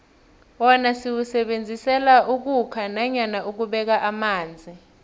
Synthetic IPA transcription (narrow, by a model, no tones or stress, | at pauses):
wɔnasiwusɛɓend͡zʱisɛlaʔuk̬ukʰanaɲanaʔuk̬uɓɛk̬aʔamaːnd͡zʱi